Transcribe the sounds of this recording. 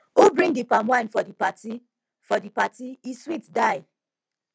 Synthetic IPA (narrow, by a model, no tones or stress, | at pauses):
obɹĩŋdipamwãɪ̃nfɔdipati | fɔdipatiiswitdaɪ